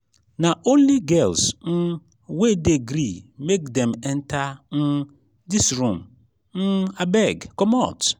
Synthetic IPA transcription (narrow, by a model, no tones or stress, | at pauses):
naʔõnliɡɛlsn̩ | wedeɡɾimekdɛ̃mɛ̃ntʰan̩ | disɹũm | n̩abɛɡkɔmɔt